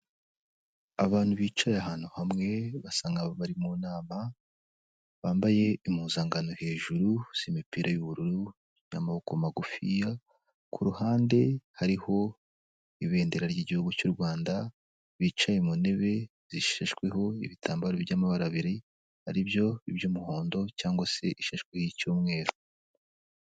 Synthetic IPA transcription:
aβaːn̥huβiːt͡ʃajaɦaːn̥huhamŋe̞βasaːŋɡaβoβaɾimuːnaːma | βaːmbaje̞imuːzaŋɡano̞he̞ːʒuɾusimipiːɾajuβuɾuɾu | ja̰mahokomaɡufija | kʰuɾuhaːnde̞haɾiho̞ | iβe̞ːndeɾaɾɟiːɟihuɡucuːɾɡwaːnda | βit͡ʃaimune̞βe̞ | z̥iʃeʃkwe̞ho̞ḭβitʰaːmbaɾojamaβaɾaβiɾi | haɾibjo̞ibjuːmuho̞ːndo̞caːŋɡwase̞ʔiʃeʃkwehicuːmŋe̞ːɾo

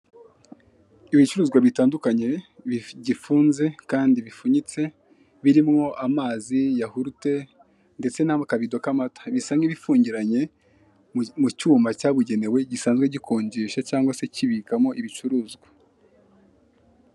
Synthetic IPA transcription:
iβit͡ʃuɾuːzɡwaβitaːndukaɲe̞βɟifuːnze̞kaːndiβifuɲit͡se̞ | βiɾimŋo̞ʔamaːzijahuɾute̞ | nde̞t͡se̞namakaβido̞kamatḁβisamŋiβifuːɲɟiɾaɲe̞ | mucuːmbacaːβuɟe̞ne̞we̞ɟisaːnzɡwe̞ɟikʰoːɲɟiʃacaːŋɡwase̞ciβikamo̞ʔiβit͡ʃuɾuːzɡwa

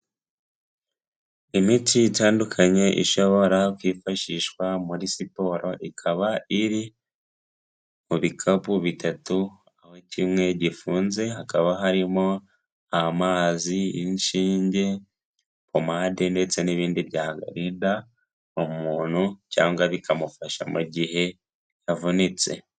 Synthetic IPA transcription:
imitiːtaːndukʰaɲe̞ʔḭʃo̞βo̞ɾakwiːfaʃiʃkwamuɾisipo̞ɾo̞ʔikʰaβaʔiɾi | muβikʰaβuβitatu | ahocimŋe̞ɟifuːnze̞ɦakaβaɦaɾimo̞ | amaːziinʃiːɲɟe̞ | pomaːdende̞t͡se̞niβiːndiβɟaːhɡa̰ɾida | omuːn̥huca̰ːŋɡwaβikʰamufaʃa̰muɟiɦe̞ | javunit͡se̞̰

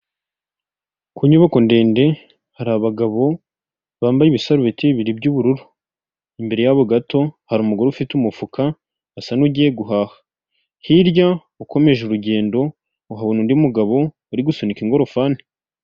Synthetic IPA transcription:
kʰuɲuβako̞nde̞ːnde̞ | haɾaβaɡaβo̞ | βaːmbajiβisaɾuβiteβiɾibɟuːβuɾuɾu̥ | imbe̞ɾe̞jaβoɡato̞haɾumuɡoɾoufitumufukʰaː | sanuɟije̞ɡuɦaːhḁ | hiɾja | uko̞me̞ʒeuɾuɟe̞ːndo̞ | uɦaβunundiumuɡaβo̞ː | ɾiɡusonikiŋɡo̞ɾo̞faːni̥

